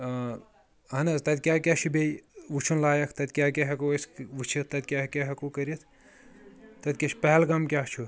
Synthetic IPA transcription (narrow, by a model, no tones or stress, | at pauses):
ɦɐnɐzt̪ɐt̪ʲkʲaːkʲaːʃʰibejʋut͡ʃʰunlaːjɐkʰt̪ɐt̪ʲkʲaːkʲeɦɐkuɐsʋut͡ʃʰit̪̚ʰt̪ːɐd̪̚ʲkʲakʲeɦɐkukɐɾit̪ʰ | t̪ːɐt̪ʲkʲɐʃpɛɦɛlɡɐmkʲaːt͡ʃʰu